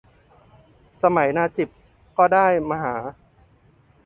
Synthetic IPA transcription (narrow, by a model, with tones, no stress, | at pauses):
sa˧ma˩˦jnaː˧t͡ɕi˨˩p̚ | kɔː˥˩daː˥˩jma˧ɦaː˩˦